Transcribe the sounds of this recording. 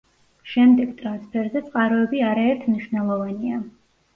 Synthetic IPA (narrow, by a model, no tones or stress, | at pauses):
ʃɛmd̪ɛɡt̪ʼɾanspʰɛɾzɛt̪sʼqʼaɾɔɛbiaɾaɛɾt̪ʰmniʃwnɛlˠɔvania